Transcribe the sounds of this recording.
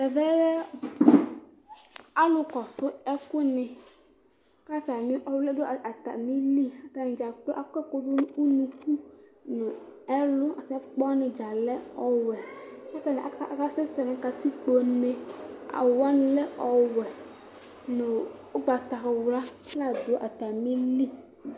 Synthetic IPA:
ɛ˨vɛ˦wɛ˦ | a˦lʊ˦kɔ˨sʊ˦ɛ˦ku˦nɪ̃˨˦ | ka˦ta˨mĩ˦ʔɔ˦wlɛ˦do˦˨a˨t̪a̰˨mĩ˦li˦a˨ta˨nĩ˨d͡ʒa˨k͡plo˦ʔa˨kɛ˦ko˨do˦u˦nũ˨ku˦nʊ̃˨ɛ˦lʊ˦a˨tɛ˦k͡pɔ˦nɪ̃˨d͡ʒa˨lɛ˦ɔ˨wɛ˨sɛ˦tɛ˨nɛ̃˨ʔa˨˦˨ka˦se˦tɛ˨nɪ̃˨ka˨t̪i˦k͡po˨nẽ˦a̰˨wwa˦nʊ̃˨lɛ˦ʔɔ˨wɛ˨ | nʊ̃˨ | o˦ɡ͡ba˨t̪a˨wla˦la˦d̪o˨˦ʔa˨t̪a˨mĩ˦li˦˨

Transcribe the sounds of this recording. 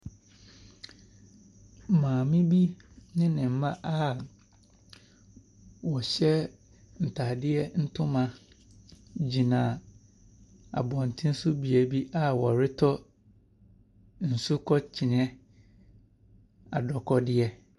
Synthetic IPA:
mãː˨mɪ̃˦bi˦nɪ̃˦nɪ̃˨m̩˨mã˦ʔa˦ | wɔ˨ɕɛ˦ | n̩˨tʰaː˨dɪ˦ɛ˦n̩˦tʰʊ̃˦mã˦ | d͡ʑi˨nã˨ | a̰˨bɔ̃˨n˨tʰɪ̃˦n̩˦sʊ˦bi˨æ˨bi˦ʔa˦wɔ˨ɾɪ˦tʰɔ˦ | n̩˨sʊ˦kʰɔ˦t͡ɕʰi˨n˦ɛ̃˦ | a̰˨dɔ˨kʰɔ˦dɪ˦ɛ˦

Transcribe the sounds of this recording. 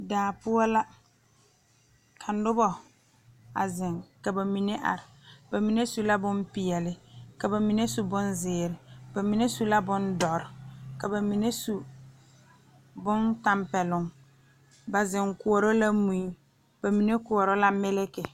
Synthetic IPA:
daː˨pʊ˦ɔ˦la˦ | kʰa˨n˦dʊ˦bɔ˨ | a̰˨zɪ˨ŋka˨ba˨mi˨ne˦ʔa̰˨ɾɪ˨ba˨mi˨ne˦su˦la˦bʊ˦mpɪ˨ɛ˨lɪ˦ka˨ba˨mi˨ne˦su˨bʊ˦nzɪː˨ɾɪ˨ba˨mi˨ne˦su˦la˦bʊ˦ndɔ˨ɾɪ˨ka˨ba˨mi˨ne˦su˦ | bʊ˦nta˦mpɛ˨lʊ˨ŋ | ba˨zɪ˨ŋkʊ˨ɔ˨ɾɔ˦la˦mu˨ju˦ | b̥a˨mi˨ne˦kʊ˨ɔ˨ɾɔ˦la˦mɪ˦lɪ˦kɪ˨

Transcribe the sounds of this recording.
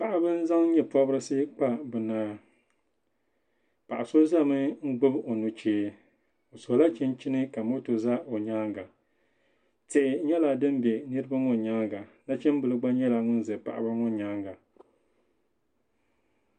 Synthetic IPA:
pa˨ʔa˦bɨ˦n̩˦za˦ŋ˦ɲɛ˦pɔ˦bɨ˦ɾɨ˦sɨ˦k͡pa˦bɨ˨naː˦ | pa˨ʔa˨so˦za˦˨mɨ˦ŋ̩˦ɡ͡bɨ˦bo˨nu˨t͡ʃeː˦ | o˨so˨la˦t͡ʃi˦nt͡ʃi˦nɨ˦ka˨mo˦to˨za˦ʔo˨ɲaː˦ŋɡa˨ | te˨ʔɪ˨ɲɛ˦la˨dɨ˦m˦bɛ˨nɨ˦ɾɨ˦ba˦ŋo˦ɲaː˦ŋɡa˨na˦t͡ʃɛ˦m˦bɨ˨lɨ˦ɡ͡ba˦ɲɛ˦la˨ŋʊ˦n˦zɨ˨pa̰˨ʔa̰˨ba˦ŋɔ˦ɲaː˦ŋɡa˨

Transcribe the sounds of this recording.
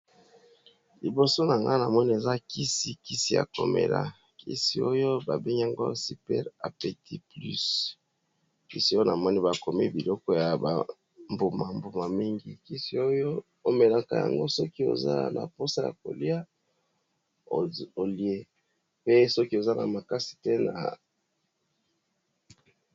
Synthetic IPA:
li˨bo˨so˦na˨ŋɡa˦na˨mɔ˦ni˦e˨za˦ki˦si˨ki˦si˦ja̰˨ko̰˨mḛ˨la̰˦ | kḭ˦si˨o˦jo˦ba˨be˦ŋɡi˦a˨ŋɡo˦si˨pɛ̰˦ʁa˨pe˨ti˦ply˦s | ki˦si˦o˦jo˦na˨mɔ˦ni˦ba˨ko˨mḛ˦bi˨lɔ˦kɔ˦ja˨ba̰˨ | mbo˨ma˨mbo˨ma˨mi˦ŋɡi˦ki˦si˨o˦jo˦ | o˦me˨la˦ka˨ja̰˨ŋɡo˦sɔ˦ki˦o̰˨za̰˦na̰˨po˦sa˦ja̰˨ko̰˨li˦a˦ | o˨li˦e˦ | pe˦sɔ˦ki˦o˨za˦nʔa̰˨ma˨ka˦si̥˨te˦na̰˨

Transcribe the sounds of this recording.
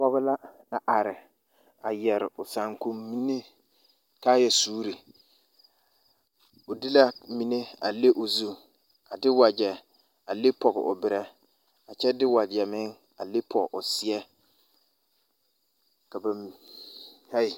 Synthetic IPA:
pɔ˦ɣʊ˦la˦na˨ʔa˨ɾɪ˨ | a˨jɛ˨ɾɪ˨ʊ˨sa˨ŋku˦mːi˦ne˦ | ka˦jɛ˨suː˦ɾi˨ | ʊ˨dɪ˦la˦mi˨ne˦a˨le˦ʔʊ˨zu˦ | a˨dɪ˦wa˨d͡ʒɛ˨ | a˨le˦pʰɔ˨ɣɪ̰˨ʔʊ̰˨bɪ˨ɾɛ˦ | a˨t͡ʃɛ˦dɪ˦wa˨d͡ʒɛ˨mɪ˦ŋ | a˨le˦pʰɔ˨ʔʊ˨sɪ˦ɛ˦ | ka˨ba˨ | ha˦i˨

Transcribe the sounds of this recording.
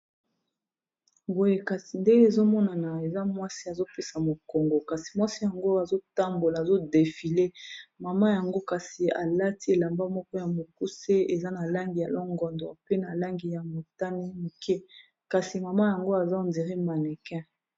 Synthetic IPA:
bo˨je˦ka˨si˨nde˦e˦e˨zo˦mɔ˦na˨na˨e˨za˦mwa˦si˦a˨zo˦pe˦sa˨mo˨ko˨ŋɡo˨ka˨si˨mwa˦si˦ja˨ŋɡo˦a˨zo˦ta˦mbo˨laː˨zo˦de˨fi˨le˦ma˨ma˦ja˨ŋɡo˦ka˨si˨a̰˨la˦ti˦e˨la˨mba˦mɔ˦kɔ˦ja˨mo˨ku˦se˦e˨za˦na˨la˦ŋɡi˨ja˨lɔ˦ŋɡɔ˨ndɔ̰˨pe˦na˨la˦ŋɡi˨ja˨mo˨ta˦ni˦mi˨kʰɛ˦ | ka˨si˨ma˨ma˦ja˨ŋɡo˦a˨za˦o˨ndi˨ʁi˦ma˨nɛ˨kɛ̃˦

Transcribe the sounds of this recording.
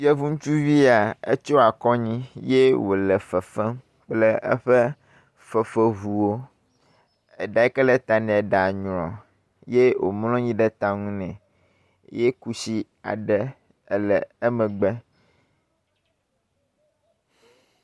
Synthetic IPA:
jɛ˦vu˦ŋũ˦t͡ʃu˦vi˦a˨ḛ˦t͡ʃo˦a˨kɔ˦ɲĩ˦je˦wo˨lə˨fə˨fɛ˦m | k͡plɛ˦ə̰˦ɸɛ˦ | fə˨fə˦vu˨wo˦ | e˨ɖa˨˦ɛ˦kɛ˦lɛ˦t̪a˨nɛ̃˨ɛ˨ɖa˨ɲ˨ɾɔ̰̃˨ | je˦wo̰˨mlɔ̃˦ɲĩ˦ɖɛ˦t̪ã˨ŋũ˦nɛ̃˨ | je˦ku˦si˦ | a̰˨ɖɛ˦˨ | lɛ˨ə˦mɛ̃˨ɡ͡bɛ˦

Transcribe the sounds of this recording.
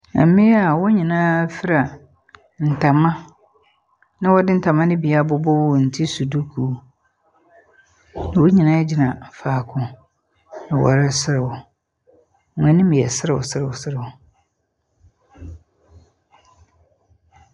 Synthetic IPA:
a̰˨˦mɪ̃˦a˨wɔ˦ɲĩ˨nãː˦fɪ˦ɾa˨ | n̩˨tʰa˨mã˦ | nɪ̃˦wɔ˦dɪ˦n̩˦tʰa˨mã˦nɪ̃˦bi˨a˦bʊ˦bʊ˦wʊ˦˨n̩˨tʰi˦su˨du˦kʰu˨˦ | ñ˨wʊ˦ɲĩ˨nã˦d͡ʑi˦nã˨faː˨kʰʊ̃˦ | nɪ̃˨wɔ̰˨ɾɪ˦sɪ˦ɾɪ˨wʊ˨˦˨ | ɛ̃˨nɪ̃˦mĩ˨ɛ̰˨sɪ˦ɾɪ˨wʊ̰˨sɪ˦ɾɪ˨wʊ˨sɪ˦ɾɪ˨wʊ˨

